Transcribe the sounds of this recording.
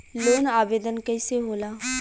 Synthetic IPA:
loːnaːʋeːd̪ənkəɪseɦoːlaː

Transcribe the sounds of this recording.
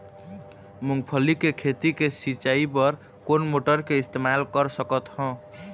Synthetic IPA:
muŋɡpʰəlikekʰet̪ikesit͡ʃaipəɾ | konmoʈəɾkeɪst̪emalkəɾsəkət̪hɔ̃

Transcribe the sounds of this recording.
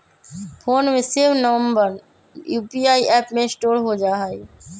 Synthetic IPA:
pʰoːnmẽsɪʋnəʋə̃mbəɾ | juːpiːaːiʔɛːpmẽsʈoːɽɦod͡ʒaːɦai

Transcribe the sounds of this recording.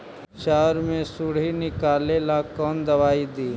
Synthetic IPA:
ʃaːɾmẽsʊɽ̤inɪkaːleːlakɔːnd̪ɐʋaːid̪iː

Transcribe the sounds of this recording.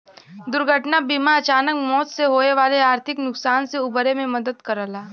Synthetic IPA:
d̪ʊɾɡʱəʈnabimaɐt͡ʃaːnəkmɔːt̪seɦoːeʋaːleaːɾt̪ʰɪknʊksaːnseʊbəɾemẽmɐd̪əd̪kɐɾəlaː

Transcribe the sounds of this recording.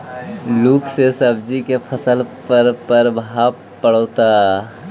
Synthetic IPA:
lukʰsesəbd͡ʒikepʰəsəlpəɾpəɾbʱap | pːəɽət̪a

